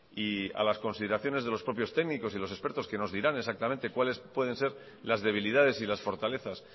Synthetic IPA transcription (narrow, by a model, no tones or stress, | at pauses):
ia̰lasko̞nsiðeɾaθjo̞ne̞zð̞e̞lo̞spɾo̞pjost̪e̞ɡniko̞silo̞s̬e̞spe̞ɾt̪o̞ske̞no̞zðiɾane̞s̬ak̚t̪amẽ̞nt̪e̞kwale̞spwe̞ð̞e̞nse̞ɾ | lazðe̞β̞ilið̞að̞e̞silasfo̞ɾt̪ale̞θas